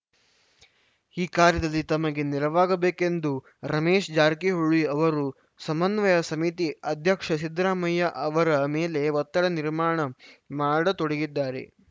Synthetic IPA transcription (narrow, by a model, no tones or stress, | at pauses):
iːkaːɾjɐd̪ɐlːit̪ɐmɐɡeniɾɐʋaːɡɐbeːkend̪u | ɾɐmeːʃd͡ʒaːɾkiɦuɭiɐʋɐɾu | sɐmɐnʋɐjɐsɐmit̪iɐd̪ʱjɐkʂɐsid̪ɾaːmɐjːɐʔɐʋɐɾɐmeːle̞ʋɐt̪ːɐɽɐniɾmaːɳɐmaːɽɐt̪oɽeɡid̪ːaːɾḛ